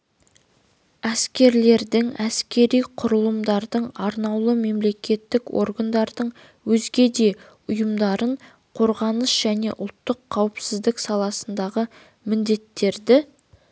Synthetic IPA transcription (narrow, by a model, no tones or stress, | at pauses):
æskʲe̞ɾle̞ɾd̪ɪŋæskʲe̞ɾijqʰʊɾəlˠəmd̪ɑɾd̪əɴɑɾnɑwlˠəme̞mle̞kʲe̞t̪ːɪko̞̰ɾɡand̪ɑɾd̪əɴ | wɵzɡʲe̞d̪e̞ | ʊjəmd̪ɑɾəɴ | qʰo̞ɾʁɑnəsʒ̥æne̞̰ʔʊ̰lˠt̪ːəqʰːɑwəpsɪzd̪ɪksɑlˠɑsənd̪ɑʁə | mɪnd̪e̞t̪ːe̞ɾd̪ɪ